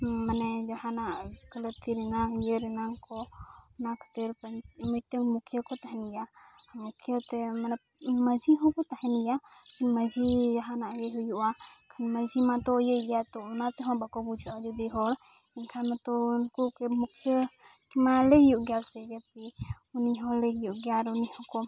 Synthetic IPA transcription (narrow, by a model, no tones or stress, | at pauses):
manɛd͡ʒahanaʔkələt̪iɾɛnaŋjəɾɛnaŋkɔɔnakʰə̥t̪iɾpəmiʈəŋmukʰijəkɔt̪aɦɛnijamukʰjət̪ɛmanɛ | məd͡ʒiɦɔ̃kɔt̪ahɛnijakʰinməd͡ʒʱid͡ʒaɦanaʔjɛɦɔjuʔakʰanməd͡ʒimat̪ɔjəʔijat̪ɔɔnat̪ɛɦɔ̃bakɔbud͡ʒʱaad͡ʒɔd̪iɦɔɾ | inkʰanmat̪ɔnkukɛmukʰijə | kɛmalɛjuʔɡalsɛɡɛt̚i | uniɦɔ̃lɛjuʔɡaɾunihɔ̃kɔ